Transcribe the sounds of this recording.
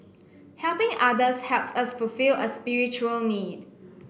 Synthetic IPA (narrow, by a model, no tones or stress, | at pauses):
hɛlpɪ̃ŋʔadəshɛlpsasfulfiləspiɹit͡ʃuəlnid̚